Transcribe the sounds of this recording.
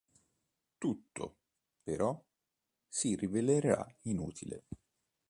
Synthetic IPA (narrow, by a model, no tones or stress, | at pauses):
t̪ut̪ːo̰ | peɾɔ | siriveleɾɾa̰inṵːt̪ʰilḛ